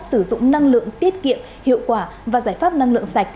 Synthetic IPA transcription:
sɨ˧˩zʊ̰˧˨ŋ͡mna˧ŋlɨ̰˧˨əŋt̪i˦˥ət̚kḭ˧˨əm | hḭ˧˨əwkwaː˧˩ | vaː˨˩zaː˧˩jfaː˦˥p̚na˧ŋlɨ̰˧˨əŋsa˨˩jk̟̚

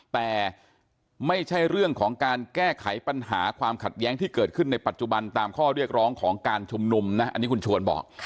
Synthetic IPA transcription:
t̪ɛː˨˩ | ma˥˩jt͡ɕʰa˥˩jɾɯ˥˩əŋkʰɔː˩˦ŋkaː˧nkɛː˥˩kʰa˩˦jpa˧nɦaː˩˦kʰwaː˧mkʰa˨˩t̪̚jɛː˦˥ŋt̪ʰiː˥˩kɤː˨˩t̪̚kʰɯ˥˩nːa˧jpa˨˩t̪̚t͡ɕu˨˩ba˧nt̪aː˧mkʰɔː˥˩ɾi˥˩ək̚ɾɔː˦˥ŋkʰɔː˩˦ŋkaː˧nt͡ɕʰu˧mnu˧mna˦˥ʔa˧nːiː˦˥kʰu˧nt͡ɕʰu˧ənbɔ̰ː˨˩k̚

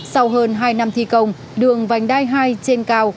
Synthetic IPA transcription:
sa˧wɦəː˧nɦaː˧jna˧mt̪ʰi˧˩kə˧˩wŋ͡m | ɗɨ˨˩əŋva˨˩jŋ̟ɗaː˧jɦaː˧jt͡ɕe˧nkaː˧w

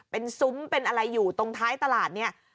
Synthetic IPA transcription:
pe˧nsu˦˥mpe˧nʔa˧ɾa˧jːuː˨˩t̪o˧ŋt̪ʰaː˦˥jt̪a˧laː˨˩t̪̚ni˥˩ɐ

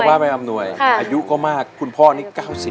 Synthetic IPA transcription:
waː˥˩pa˧jʔa˧mnu˧˩əjʔaː˧ju˦˥ʔkɔː˥˩maː˥˩kʰːu˧npʰɔː˥˩niː˥˩kaː˥˩wsi˨˩

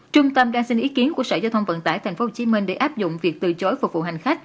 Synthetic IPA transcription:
t͡ɕʊ˧ŋ͡mt̪ə˧mɗaː˧ŋsï˧ŋʔi˨˦ki˨˦ənku˧˩əsəː˧˩zaː˧t̪ʰə˧wŋ͡mvə̰˧˨nt̪a̰ː˧˩jt̪a˨˩ŋ̟fo˨˦ho˧˩t͡ɕi˨˦mï˧ŋɗe˧˩ʔaː˦˥p̚zʊ̰˧˨ŋ͡mvi˨˩ək̚t̪ɨ̰˧˨˩t͡ɕo˨˦jfʊ˨˩k͡p̚vṵ˧˨ha˨˩ŋ̟xa˦˥k̟̚

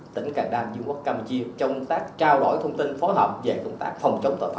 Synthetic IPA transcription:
t̪ï˧˩˦ŋ̟kaː˧˩ŋɗaː˧nɲu˧ŋʔu˦˥k̚kaː˧mu˧t͡ɕi˧ət͡ɕɔ˧wŋ͡mp̚t̪aː˦˥k̚t͡ɕaː˧wɗo̰˧˩jt̪ʰə˧wŋ͡mt̪i˧nfo˨˦jɦəː˨˩p̚ve˨˩kə˧wŋ͡mt̪a̰ː˦˥k̚fɔ˨˩wŋ͡mt͡ɕə˨˦wŋ͡mt̪o̰˧˨˩f

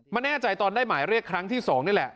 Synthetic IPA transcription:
ma˧nɛː˥˩t͡ɕa˧jt̪ɔː˧ndaː˥˩jmaː˩˦jɾi˥˩əkʰːɾa˦˥ŋt̪ʰiː˥˩sɔː˩˦ŋnɯ˥˩lɛ˨˩ʔ

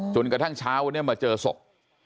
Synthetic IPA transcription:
t͡ɕo˧nkɾa˧t̪ʰa˥˩ŋt͡ɕʰaː˦˥wn˥˩ɐmaː˧t͡ɕɤː˧so̰˨˩k̚

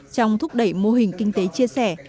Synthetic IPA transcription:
t͡ɕɔ˧wŋ͡mt̪ʰʊ˦˥k͡p̚ɗə˧˩jmo˧ɦï˨˩ŋ̟kï˧ŋ̟t̪e˨˦t͡ɕi˧əsɛ˧˩

